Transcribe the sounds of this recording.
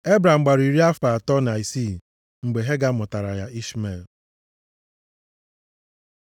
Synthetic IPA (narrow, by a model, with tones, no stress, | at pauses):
e˦bɾa˨m̩˨ɡ͡ba˨ɾi˨ɾi˦a˦fa˨tɔ˦n˨a˨i˨si˦˨ | ŋ͡m̩˨ɡ͡be˨ɦe˦ɡa˦mʊ˨ta˨ɾa˨ja˦i˦sme˨l